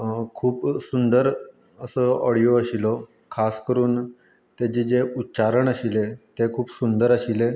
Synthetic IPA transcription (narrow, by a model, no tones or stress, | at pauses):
kʰuːpsund̪əɾ | əsəɔɽijoəɕilo | kʰaskəɾuːn | t̪ed͡ʑed͡ʑeutːɕaɾəɳəɕilet̪ekʰuːpsund̪əɾəɕile